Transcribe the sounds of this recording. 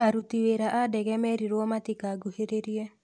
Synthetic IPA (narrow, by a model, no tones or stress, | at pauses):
aɾut̪iweɾaʔadɛɣɛmɛɾiɾwɔmatikaɡuheɾeɾie